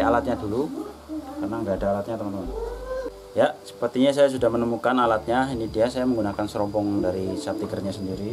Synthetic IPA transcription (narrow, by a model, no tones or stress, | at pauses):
alat̪̚ɲadulu | kanaŋɡaːdaːlat̪̚ɲat̪əmant̪əman | jasə̥pərt̪iɲasajas̬udahmənəmukanalat̪̚ɲainidiasajaməŋɡunakansəɾɔmbɔŋdaɾisat̪iɡərɲasəndiɾi